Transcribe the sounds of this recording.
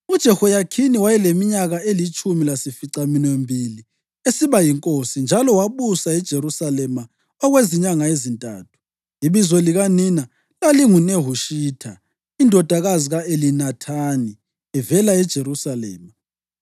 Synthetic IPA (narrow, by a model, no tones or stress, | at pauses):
ud̥ʒ̥ʱɛhɔjakʰiniwajɛlemiɲaɣaelit͡ʃʼumilasifiǀaminembʱili | esiβajiŋkʼosind͡ʒʱalɔwaβusaɛd̥ʒ̥ʱeɾusalɛma | ɔɣweziɲaŋaezintʼa̰ːtʰu̥ | iβizɔliɣanina | laliŋuneɦuʃiːtʰa | indʱɔd̥ʱaɣaziɣaelinatʰani | ɛvɛlaɛd̥ʒ̥ʱeɾusalɛ̰ːma